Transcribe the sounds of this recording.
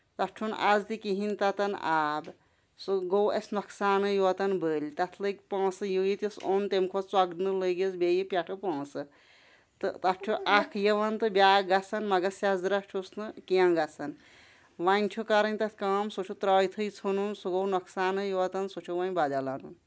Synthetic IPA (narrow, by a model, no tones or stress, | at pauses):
t̪ɐʈʰuna̰zt̪ikiɦint̪ɐt̪ɐnaːb | suɡowɐsnɐksaːnɨjoɐt̪ɐnbəːlʲt̪ɐt̪ʰlɨkʲpãːsɨjujit̪ʲisont̪emkʰot͡swɐɡnɨləɡezbʲejipʲjaʈʰɨpãːsɨ | t̪ɨt̪ɐʈʰuʔakʰjeʋɐnt̪ɨbʲaːɡɐt͡sʰɐnmɐɡɐsjazɾɐʈʰusnɨkijãɡɐt͡sʰɐn | ʋanʲt͡ʃʲʰukaɾɐnʲt̪ɐt̪ʰkaːmsot͡ʃʰut̪ɾaːjt̪ʰɨjt͡sʰununsuɡownɐksaːnɨjoɐt̪ɐnsot͡ʃʰuʋɐnʲbad̪alanun